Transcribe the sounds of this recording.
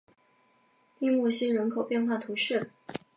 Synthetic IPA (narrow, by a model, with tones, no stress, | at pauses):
i˥˧mwɔ˥˩ɕi˥nɻə˧˥nkʰo˨˩ʊpjɛ˥˧nxwa˥˩t̪ʰu˧˥ʂɛ˥˩